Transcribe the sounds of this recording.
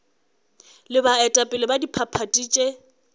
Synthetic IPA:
lɪbaɛtʼapʼɪlɪbadipʰapʰatʼiːt͡ʃʼe

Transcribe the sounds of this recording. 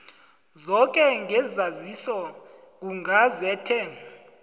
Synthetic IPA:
zɔkʼɛŋʱɛzazisɔ | k̬uŋʱazɛːtʰɛ

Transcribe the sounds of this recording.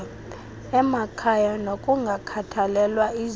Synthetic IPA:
ɛmakʰajanokʼuŋɡʱakʰatʰalɛlwai

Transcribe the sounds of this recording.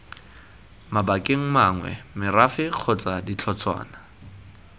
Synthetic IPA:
mabakʼeŋ̩maŋwɛ̰mɪrafɪq͡χʰɔt͡sadit͡ɬʰɔt͡sʰwa̰ːna

